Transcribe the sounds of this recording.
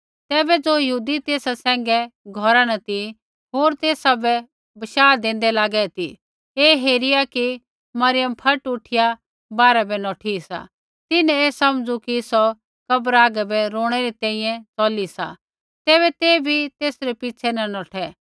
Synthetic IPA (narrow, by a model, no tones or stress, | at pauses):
t̪ɛːbɛd͡zoːjɐɦuːd̪it̪eːsasɛ̃ːŋɡɛɡʱɔɾanɐt̪i | ɦoːɾt̪eːsabɛ | bɐʃaːd̪ẽːnd̪ɛlaːɡɛt̪i | eːɦeːɾɪjaki | mɐɾɪjəmpʰɐʈʊʈʰɪja | baːɾabɛnɔːʈʰisa̰ | t̪ɪnɛ̃eːsɐmd͡zukisɔ | kɐbɾaːɡɛbɛɾoːɽ̃ɛɾit̪ɛ̃ːĩjɛ̃t͡sɔːlisa̰ | t̪ɛːβɛt̪eːbʱit̪eːsɾɛpɪt͡ʃʰɛnɐnɔːʈʰɛ